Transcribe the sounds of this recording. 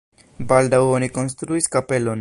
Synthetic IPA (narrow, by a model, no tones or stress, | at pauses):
baldawoniko̞ns̬t̪ɾuiskape̞lo̞n